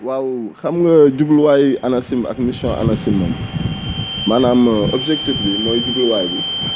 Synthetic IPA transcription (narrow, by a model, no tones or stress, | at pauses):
wawxɐmŋɡɐɟublwajanɐsimɐ̰kmisjɔ̰̃ʔa̰nasimːɐ̰m | manamɔbd͡ʒɛktifbinɔɟublwaːjbi